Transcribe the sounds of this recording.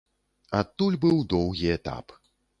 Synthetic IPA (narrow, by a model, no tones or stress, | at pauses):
at̪ːulʲbɨwd̪ɔwɣʲiɛt̪a̰p